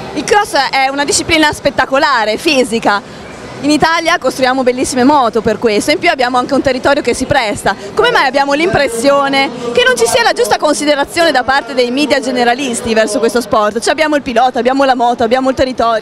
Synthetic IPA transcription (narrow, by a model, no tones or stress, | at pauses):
ilkɾɔsʔɛunad̪iʃːipliːnaspet̪ːakolaːɾefiːzika | init̪aljakost̪ɾujaːmobelːisːimemɔːt̪operkwest̪oimpjuabːjaːmoaŋkeunt̪erːit̪ɔːɾjokesːipɾɛst̪a | komemajabːjaːmolimpɾesːjoːnekenːont͡ʃisiːalad͡ʒust̪akonsid̪eɾat̪sːjoːned̪apːart̪ed̪ejmiːd̪jad͡ʒeneɾalist̪ivɛrsokwest̪ospɔrt̪t͡ʃɛabːjaːmoilpilɔːt̪oabːjaːmolamɔːt̪oabːjaːmoilt̪erːit̪ɔːɾjo